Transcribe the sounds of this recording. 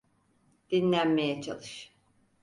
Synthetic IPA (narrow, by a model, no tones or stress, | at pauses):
d̪̥inlʲænme̞jɛt͡ʃʰa̰lˠɯʃ